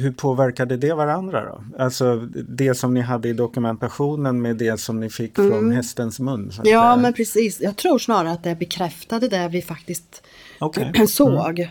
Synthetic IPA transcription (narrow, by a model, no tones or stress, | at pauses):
hɵpʰoːvæɾkad̪əd̪ɛvaɾand̪ɾa̰d̪ɔ̰ | alsɔd̪ɛsɔmnɪɦad̪ːəɪd̪ɔkɵmɛnt̪aɧuːnənmɛd̪ɛsɔmnɪfɪkːfɾɔnɦɛst̪ənsmɵnːsa̰jɑːmɛnpʰɾɛsiːsjɑːɡt̪ʰɾuːʂnɑːɾaɾat̪̚d̪ɛæɾbɛkʰɾɛft̪ad̪əd̪æɾvɪfakt̪ɪst̪ | ɔkʰɛsoːɡ